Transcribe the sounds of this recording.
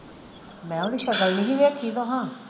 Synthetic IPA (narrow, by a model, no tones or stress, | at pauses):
mɛ̃ːoɽiʃɐkəlniɦĩʋeːkʰːid̪oɦãː